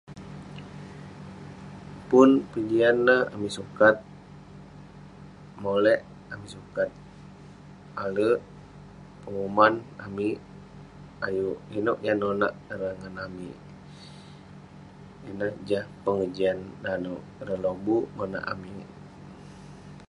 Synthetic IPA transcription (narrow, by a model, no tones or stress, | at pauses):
pʊnpəd͡ʒianːəha̰misukat̪̚ | molɛʔ | amisukat̪̚ | alə | pəŋumana̰mi | ajuʔinɔʔjanona̰ʔəɾaŋanamḭ | inəhd͡ʒahpəŋəd͡ʒiandanɔʔɾəlobumona̰ʔa̰mi